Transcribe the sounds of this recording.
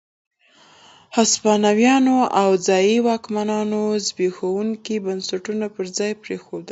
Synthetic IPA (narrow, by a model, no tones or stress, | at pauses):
haspɑnawjɑnoʔawd͡zɑjiwɑkmanɑnozbexawuŋkibansaʈunapəɾzd͡zɑjpɾexod̪əl